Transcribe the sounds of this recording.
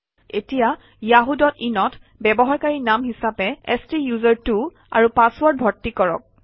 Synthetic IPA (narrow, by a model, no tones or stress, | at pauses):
etija | jaɦudɔtinɔtʰ | bɛbɔɦaɹkaɹinamɦisapɛɛstijuzɔɹtu | a̰ɹupaswɔɹt̚bʱɔtːikɔɹɔ̰k̚